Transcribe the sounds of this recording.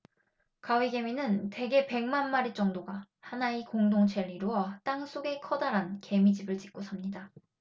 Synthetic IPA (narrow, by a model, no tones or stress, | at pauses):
kawiɡe̞minɯnte̞ɡe̞pe̞ŋmanmaɾit͡ɕ͈ʌŋdoɡa | hanaikoŋdoŋt͡ɕʰeɭːiɾoʌt͈aŋs͈oɡe̞kʰʌdaɾanke̞mid͡ʑibɯɭt͡ɕi̥k͈̚osʰamɲida